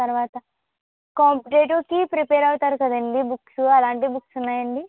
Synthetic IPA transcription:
t̪ɐɾʋaːt̪ɐ | kaːmpiʈeːʈoːɾkipɾipeːɾɐwt̪aːɾukɐd̪ɐɳɖibuksuɐlaːɳʈibuksunːaːjɐɳɖi

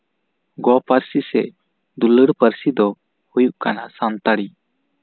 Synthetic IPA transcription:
ɡɔpəɾsisɛ̰ | d̪uləɽpəɾsid̪ɔ | hujuʔkanasant̪aɽi

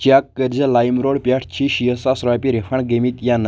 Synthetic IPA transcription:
t͡ɕakːəɾd͡ʑalajmɾoɽpjaʈʰt͡ɕʰiɕijəsasɾajpʲiɾefʰaɳɡemit̪jan

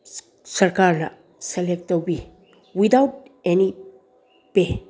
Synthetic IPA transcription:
sɐɾkaɾla̰ | selek̚towbi | wid̪awʈ̚eni | pe

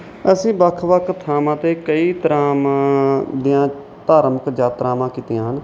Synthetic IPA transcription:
əsĩːbəkʰʋəkʰt̪ʰːaːmãːt̪eːkəiːt̪əɾaːm | d̪iːjãː | t̪aːɾməkd͡ʒaːt̪ɾaːmãːkiːt̪ɪjãːɦən

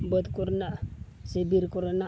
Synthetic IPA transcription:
bət̪kuɾnaʔsibiɾkɔɾona

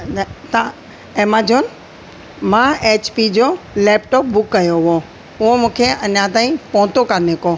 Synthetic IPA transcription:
t̪ã | eːmad͡ʑoːn | mãeːt͡ɕpid͡ʑo | lɛːpʈɔːp̚bʊkːɐjoʊo | ʊɦomũːkʰeɐnãt̪aːĩpɔ̃ːt̪okəɾneːko

